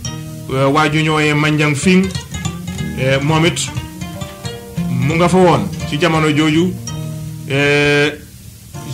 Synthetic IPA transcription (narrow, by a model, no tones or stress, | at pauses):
wewaɟuɲoːjemaɲɟaŋfiŋ | emomit | muŋɡafawoːnsiɟamanoɟoːɟu | e